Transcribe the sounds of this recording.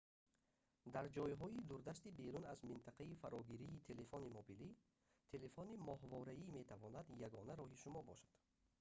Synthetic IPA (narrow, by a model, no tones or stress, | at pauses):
d̪aɾd͡ʒɔjɦɔid̪uɾd̪ast̪ibe̞ɾunazmint̪ʰaqʰaifaɾɔɡiɾiːt̪ʰe̞le̞fɔnimobili | t̪ʰe̞le̞fɔnimɔhvɔɾaime̞t̪ʰavɔnad̪jaɡɔnæɾɔɦiʃumɔbɔʃḁd̪̥